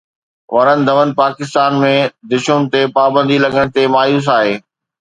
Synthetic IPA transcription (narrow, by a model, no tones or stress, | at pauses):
ʋɐɾənɪ̆d̪ʱɐʋənɪ̆paːkɪst̪aːnmẽd̪ɪʃʊnɪ̆t̪epaːbə̃nd̪ʱilɐɡəɽ̃̆t̪emaːjuːs̬aːɦeː